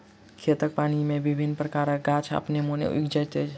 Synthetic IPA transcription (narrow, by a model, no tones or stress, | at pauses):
kʰet̪ək̚paːnimẽbibʱinːpɾəkaːɾəɡat͡ʃʰa̰pnemonḛikd͡ʒət̪ə